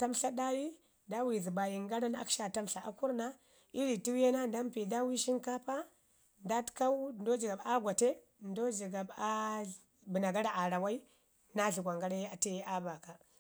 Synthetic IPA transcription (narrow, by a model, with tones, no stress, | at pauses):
ta˦mɬa˦ɗa˦ji˦ | da˦wi˨zi˨ba˨ji˨ŋɡa˦ɾa˦na̰˦ka˨ta˦mɬa˨a˨ku˦ɾna˦ | i˦ɾi˨ti˦we˦na˦nda˦mpi˨da˦wi˦ʃi˦nka˦pa˦ | nda˦tka˦wu˦ndo˦d͡ʒi˨ɡa˨ba˦ɡʷa˨te˦ | ndo˦d͡ʒi˨ɡa˨ba˦ | bi˨na˨ɡa˦ɾa˦˨ʔa˨ɾa˨wa˦i˦ | na˦ɮi˨ɡʷa˨ŋɡa˦ɾa˦a˨te˦ja˦ba˨ka˨